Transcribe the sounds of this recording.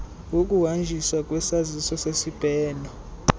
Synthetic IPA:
uk̬ʼuwand͡ʒʱiswakʼwɛsazisɔsesib̥ʱɛːnɔ

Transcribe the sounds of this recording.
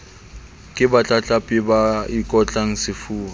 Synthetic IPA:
kʼɪbat͡ɬʼat͡ɬʼapʼɪbaikʼɔt͡ɬʼaŋ̩sɪfuːa

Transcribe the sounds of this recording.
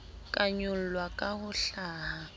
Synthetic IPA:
kʼaɲʊl̩lwakʼahʊɬaːha

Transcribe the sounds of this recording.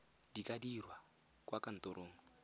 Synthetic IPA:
dikadirwa | kʼwakan̩t̪ɔɾʔoːŋɔ

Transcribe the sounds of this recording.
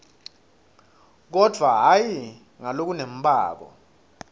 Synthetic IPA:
k̬ɔd̥ʱwaɦaji | ŋalok̬unem̩ɓʱʼa̰ːk̬ɔ̰

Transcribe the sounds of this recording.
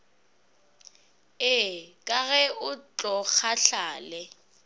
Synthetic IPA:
ɪkʼaɣɛʊt͡ɬʼɔk͡xʰaɬaːlɛ

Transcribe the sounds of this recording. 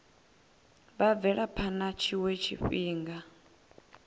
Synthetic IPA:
βab̪vɛɺapʰanat͡ʃʰiwet͡ʃʰiɸiːŋɡa

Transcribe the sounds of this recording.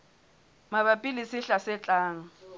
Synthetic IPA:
maβapʼilɪsɪɬasɪt͡ɬʼaːŋ̩

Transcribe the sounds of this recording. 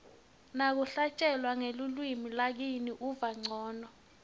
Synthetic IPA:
nak̬uɬat͡ʃʼɛlwaŋelulwimilak̬iniʔuvaŋ͡ǀʱɔːnɔ

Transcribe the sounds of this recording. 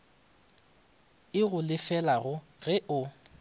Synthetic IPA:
ɪɣʊlɪfɛlaɣʊ | ɣɛʔʊ

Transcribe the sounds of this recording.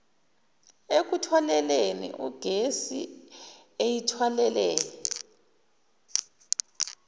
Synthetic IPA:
ek̬utʰwalɛlenḭʔuɡ̥ʱesḭ | ejitʰwalɛlɛːjɛ

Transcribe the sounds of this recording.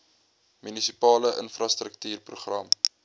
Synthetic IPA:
mynisipɑːləʔə̰nfrɑst̪rək̚tyːrpruχrɐm

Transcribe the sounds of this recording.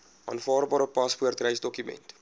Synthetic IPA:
ɑːnfɑːrbɑːɾəpɐspuərtrɛjsdɔkymɛ̰nt

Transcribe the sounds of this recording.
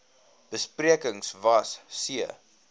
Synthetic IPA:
b̥əspriəkəŋsvɐssiə

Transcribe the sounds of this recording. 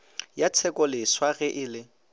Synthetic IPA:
jat͡sʰɛkʼɔlɪswaɣɛʔɪlɪ

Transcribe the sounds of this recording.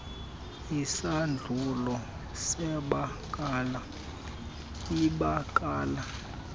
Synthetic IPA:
isand͡ɮʱulɔ | sɛɓakʼaːla | iɓakʼaːla

